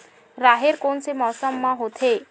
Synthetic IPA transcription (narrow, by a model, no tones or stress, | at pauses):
ɾaɦeɾkonsemɔːsəmːãɦot̪ʰe